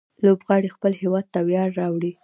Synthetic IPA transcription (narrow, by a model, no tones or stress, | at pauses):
lobɣɑɽixpəlhewɑd̪̚t̪awjɑɾːɑwɽi